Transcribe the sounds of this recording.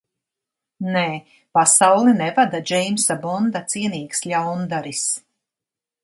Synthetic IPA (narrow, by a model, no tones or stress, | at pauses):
neː | pasawlˠinɛvad̪ad͡ʒɛjmsabɔnd̪at̪siɛniːkslʲawnd̪aɾis